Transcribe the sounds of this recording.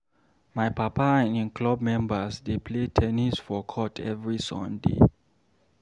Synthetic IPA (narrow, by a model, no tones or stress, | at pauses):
majpapʰaãnĩnkʰlɔb̚mɛ̃mbəsdepʰletʰɛnisfɔkʰɔtʰɛ̰vɹisɔ̰̃ndḛ